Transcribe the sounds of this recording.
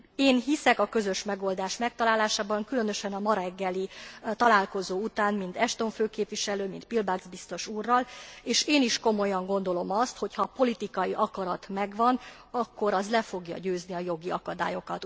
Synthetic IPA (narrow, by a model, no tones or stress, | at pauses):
eːnɦisɛkɒkø̞zø̞ʃmɛɡo̞ld̪aːʃmɛk̚t̪ɒlaːlaːʃaːbɒŋkylø̞nø̞ʃɛnɒmɒɾɛɡːɛlit̪ɒlaːlko̞zoːut̪aːnmint̪ɛʃt̪o̞ɱføːkeːpʋiʃɛløːmint̪̚pilbaɡzbist̪o̞ʃuːrːɒleːʃeːniʃko̞mo̞jɒŋɡo̞nd̪o̞lo̞mɒst̪ho̞chɒpo̞lit̪ikɒjiʔɒkɒɾɒt̪mɛɡʋɒn | ɒkːo̞ɾɒzlɛfo̞ɡjɒ̰ɟøːzniɒjo̞ɡiɒkɒd̪a̰ːjo̞kɒt̪